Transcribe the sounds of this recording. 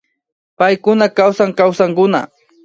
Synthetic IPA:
pajkʊnakawsaŋkawsaŋkʊna̰

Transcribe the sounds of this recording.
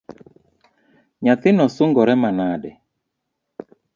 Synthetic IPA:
ɲaθɪnɔsʊŋɡɔɾɛmanaɗɛ

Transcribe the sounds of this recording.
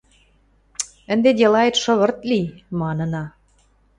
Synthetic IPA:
ənd̪ed̪ʲelɑet̪ʃɤ̆βə̆rt̪̚limɑnə̆nɑ

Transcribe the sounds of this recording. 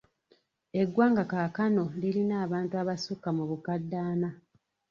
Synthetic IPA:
e̞ɡːwaːŋɡakakano̞lilinaːβaːntuaβasukːamuβukadːaːna

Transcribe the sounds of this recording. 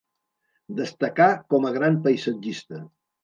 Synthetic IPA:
d̪əst̪əkakɔməɣɾampəjsəd͡ʒist̪ə

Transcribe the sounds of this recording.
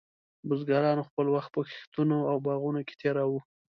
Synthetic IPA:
bʊzɡɑɾɑnoxpəlwaxt̪̚pəxe̥xt̪unoawbɑɣunoke̥t̪ʰeɾɑwu

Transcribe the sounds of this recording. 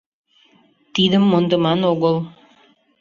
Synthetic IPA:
t̪id̪ɘ̆mːond̪ɤ̆mɑnoɣəlˠ

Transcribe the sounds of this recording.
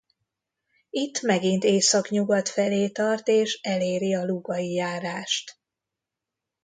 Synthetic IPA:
it̪ːmɛɡint̪eːsɒkɲuɡɒt̪fɛleːt̪ɒrt̪eːʃɛleːɾiɒluɡɒijaːɾaːʃt̪

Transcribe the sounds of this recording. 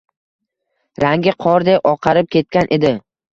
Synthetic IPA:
ɾaŋɡʲɪqʰɒɾd̪epɒqʰɑɾɪp̚kʲʰe̞t̪̚kʲanʔe̞d̪ɪ

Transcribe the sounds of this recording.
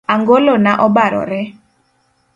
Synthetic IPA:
aŋɡolonaʔɔbaɾɔ̰ɾɛ

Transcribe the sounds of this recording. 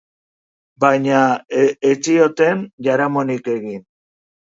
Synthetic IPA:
bajɲaet͡siot̪e̞nʝaɾamonike̞ɣin

